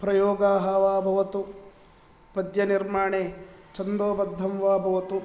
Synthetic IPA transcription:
pɾɐjɔːɡaːɦɐʋaːbʱɐʋɐt̪u | pɐd̪jɐniɾmaːɳeːt͡ʃɐnd̪oːbɐd̪ʱːɐmʋaːbʱɐʋɐt̪u

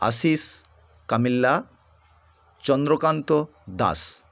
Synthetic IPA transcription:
a̰sis | kamilːa | t͡ɕɔnd̪ɾokant̪o | d̪a̰s

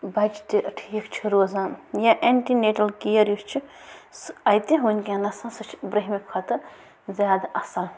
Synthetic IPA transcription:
bɐt͡ʃt̪iʈʰiːkt͡ʃʰiɾoːzãːjaʔeɳʈineːʈɐlkijɐɾjust͡ʃʰisɐjt̪iɦunʲkʲenɐsãsɨt͡ʃʰbɾɐɦʲmikʰɐt̪ɨ | zʲjaːd̪aɐsɐl

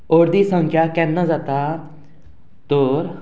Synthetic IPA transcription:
oːɾd̪iːsəŋkʰjaːkɛːnːãzat̪aː | t̪oːɾ

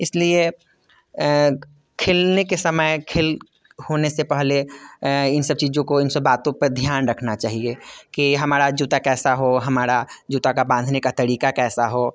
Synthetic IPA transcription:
ɪslie | kʰɪlnekesɐməjkʰɪl | hoːnesepɛɦle | ɪnsɐb̚t͡ʃiːzõkoɪnsɐbaːt̪õpɐɾd̪ʱjaːnɾɐkʰnat͡ʃaːɦiekiɦɐmaːɾad͡ʒuːt̪akɛːsaɦoɦɐmaːɾad͡ʒuːt̪akabãːnd̪ʱnekat̪ɐɾiːkakɛːsaɦoː

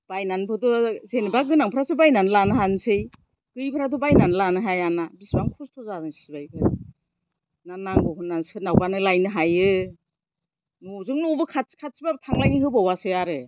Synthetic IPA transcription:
b̥ajnanpʰɯdɔzenibaɡɯnaŋpʰɯɾasɯbajnanlanɯɦansɯj | ɡ̥ɯjpʰɾadɔbajnanlanɯɦajanabisbaŋkʰustʰɔzadɯŋsibajpʰɯ | nanaŋɡɔhɯnːansɯnawbanɯlajnɯɦajɯ | nɔzɯŋnɔbɯkʰatkʰat̚sibabtʰaŋlajniɦɯbawasɯaɾɯ

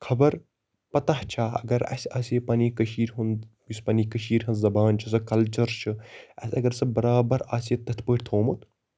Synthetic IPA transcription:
kʰɐbɐɾ | pɐt̪aɦt͡ʃʰaːɐ̰ɡɐɾɐ̰sʲaːsepɐniːkɐʃiːɾʲɦun | isʲpɐnikɐʃiːɾʲɦɐnzɐbaːnt͡ʃʰus̬ɐkɐlt͡ʃɐɾt͡ʃʰɨɐ̰sʲɐɡɐɾsɐbɐɾaːbɐɾaːset̪ːɐt̪ʰpəʈʲt̪ʰoːmut̪

